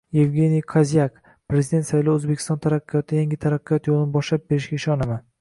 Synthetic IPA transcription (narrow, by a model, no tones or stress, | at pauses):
je̞vɡʲe̞nijkʰazijak | pɾe̞zid̪et̪sajlˠowɵzbekʲʰːɪst̪ɒnt̪ʰaɾaqːijɒt̪ʰajaŋɡʲɪt̪ʰaɾaqːijɒt̪jolˠɪnɪbɒʃlap̚beɾɪʃɡʲaɪʃɒnama